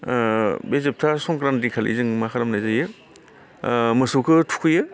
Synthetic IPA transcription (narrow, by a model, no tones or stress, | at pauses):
bezep̚tʰasɔŋkɾantikʰalḭzɯŋmakʰaɾamnajzajɯ | mɯsukʰɯtʰu̥kʰɯjɯ